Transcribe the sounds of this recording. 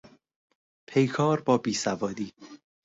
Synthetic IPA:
pʰe̞jkʰɒːɾbɒːbiːsævɒːd̪iː

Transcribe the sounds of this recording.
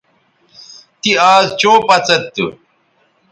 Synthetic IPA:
t̪iaːzt͡ɕoːpɐt͡sɐt̪ːṵ

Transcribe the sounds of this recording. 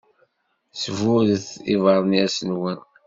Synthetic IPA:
svʊðθivɑɾˤnæsənwən

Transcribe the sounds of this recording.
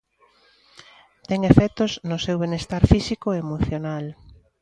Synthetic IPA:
t̪ɛŋefɛt̪oznʊsewβenest̪aɾfisikoemoθjonal

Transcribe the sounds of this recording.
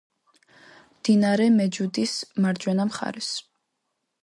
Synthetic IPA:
md̪̥inaɾɛmɛd͡ʒud̪ismaɾd͡ʒwɛnamχa̰ɾɛs

